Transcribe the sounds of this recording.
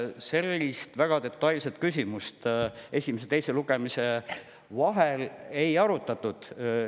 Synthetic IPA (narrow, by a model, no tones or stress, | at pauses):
se̞lːist̪væɡ̥ɑd̪e̞t̪ːˑɑjlse̞t̪kys̬ʲimust̪e̞sʲimes̬et̪e̞jse̞luɡ̥e̞mise̞ | vɑɦele̞jɑɾut̪ːˑɑt̪ːˑud̪̥